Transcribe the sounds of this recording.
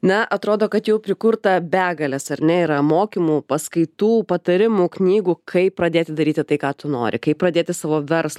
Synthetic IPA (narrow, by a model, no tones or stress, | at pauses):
nɐʔɐt̪ɾoːd̪oːkɐt̪jɛʊpʲɾʲɪkʊɾt̪ɐbʲæːɡɐlʲɛsɐɾʲnʲɛiɾɐmoːkʲimuːpɐskɐɪt̪uːpɐt̪ɐɾʲɪmuːknʲiːɡuːkʰɐɪppɾɐd̪ʲeːt̪ʲɪd̪ɐɾʲiːt̪ʲɪt̪ɐɪkɑːt̪ʊno̰ːɾʲʔɪ̰kɐɪp̚pːɾɐd̪ʲeːt̪ʲɪsɑːʋoːʋʲɛɾslˠɐ